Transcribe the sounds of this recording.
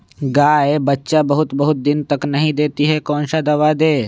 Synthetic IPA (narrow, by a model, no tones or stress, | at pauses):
ɡaːebɐtːʃabəɦʊt̪bɐɦʊt̪̚d̪ɪnt̪ɐknɐɦĩd̪eːt̪iɦɛkɔ̃ːnʃad̪ɐʋad̪eː